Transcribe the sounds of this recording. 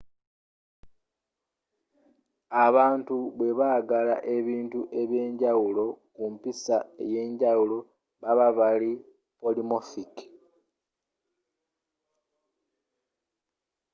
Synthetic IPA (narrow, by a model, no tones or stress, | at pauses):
aβaːntuβwe̞βaɡalaʔe̞βiːntuʔe̞βje̞ːɲɟawulo̞kumpisae̞̰je̞ːɲɟawulo̞ | βaβaβali | po̞limofiki̥